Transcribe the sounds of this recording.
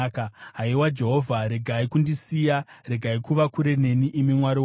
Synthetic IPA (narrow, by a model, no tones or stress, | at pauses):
kaɦaiwad͡ʒe̞ɦo̞vʱaɾe̞ɡʱaikundisija | ɾe̞ɡʱaikuʋakuɾe̞ne̞niʔːmimwaɾiw